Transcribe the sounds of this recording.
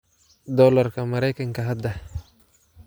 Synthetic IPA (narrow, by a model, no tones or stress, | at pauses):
d̪ɔːlɐrkʰɐmɐɾɛjkʰɐŋkʰɐɦɐd̪ɐ